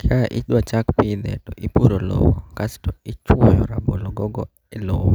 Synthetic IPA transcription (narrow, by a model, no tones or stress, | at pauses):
kʰaʔɪɗwat͡ʃakpɪd̪ɛ̰tɔʔipuɾolɔ̰wɔkastɔit͡ʃwɔjɔɾabolɔɡɔɡɔ | ɛlowɔ